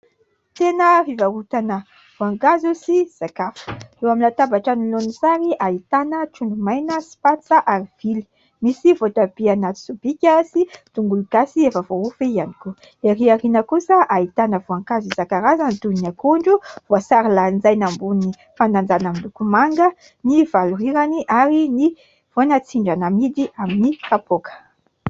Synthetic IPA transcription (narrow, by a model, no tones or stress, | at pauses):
t̪enəvivaut̪anə | v̥uaŋkazusiz̥akafə̥ewamilat̪abaʈ͡ʂanilonisaɾiʔait̪anəʈ͡ʂuɳɖ͡ʐumajnəsi̥pat͡saʔaɾiv̥ili̥ | misivotabianat̪i̥subikʲasit̪uŋɡulukasiefəvoufeianiku | eɾiarinəkusəʔait̪anəvoaŋkazizakaɾazant̪unakuɳɖ͡ʐuv̥oasaɾiland͡zajnambuni | fanand͡zanəmilukumaŋɡə | nivaluɾiɾaniʔaɾini | v̥onat͡siɳɖ͡ʐanəmid̪iaminikapokə̥